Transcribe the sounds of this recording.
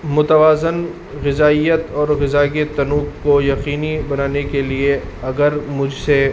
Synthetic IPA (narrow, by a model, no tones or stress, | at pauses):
mʊt̪əʋaːzɪn | ɣɪzaːijət̪ɔːɾɣɪzaːɡet̪ɐnuːkkojɐqiːnibɐnaːnekelieɐɡəɾmʊd͡ʒʱse